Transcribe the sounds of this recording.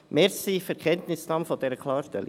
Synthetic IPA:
mɛɾsifɛɾkʰɛntnɪsnɑmfod̥ɛɾəkʰlɑːɾʃtɛli

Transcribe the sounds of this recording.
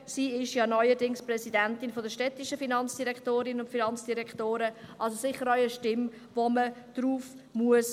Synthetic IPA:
siːɪʃjɑːnɔʏədɪŋsprɛsidɛntɪnfodəʃtɛtɪʃəfinɑnt͡sd̥iɾɛktoːɾɪnəʊntfinɑnt͡sd̥iɾɛktoːɾəʔɑls̬osɪχəɾœʏəʃtɪm | voməd̥ɾuːf | muəs

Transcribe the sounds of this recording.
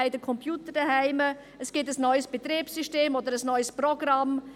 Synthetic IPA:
ɪdəkʰɔmpjuːtədɐhaɪmə | əsɡ̥ɪtəsnɔʏsb̥et̪ɾeːpsyʃteːmoːd̪əɾəsnɔʏsproɡrɑm

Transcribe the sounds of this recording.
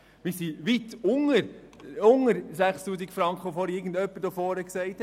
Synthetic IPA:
mɪsiʋit̪ʊŋəɾ | ʊŋəɾsæχstuːsikfɾɑŋkχəofɔːɾɪːɡən̩dœpːəɾtofɔːɾəksɛɪt̪

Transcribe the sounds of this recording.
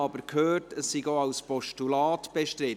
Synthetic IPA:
ɑbəɾkʰhøːrtəsːiɡoaʊspɔʃtulɑːtb̥eʃtɾɪ

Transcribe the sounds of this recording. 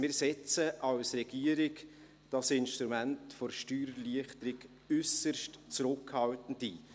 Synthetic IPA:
mɪːɾsɛt͡səʔɑwsɾɛɡ̥iəɾɪɡ | d̥ɑsɪnʃtɾumæntfɔɾʃtyːɾliəχtəɾɪɡ | ʏsərʃtt͡sɾʊkhɑwtən̩diː

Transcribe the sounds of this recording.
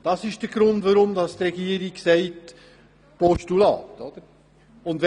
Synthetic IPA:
d̥ɑsɪʃd̥əɡ̥ɾʊntʋoɾʊmd̪ɑstɾɛɡiːəɾiɡsɛɪt | pɔʃtulɑ̰ːt̪ɔd̥əɾ | ʊndɛ

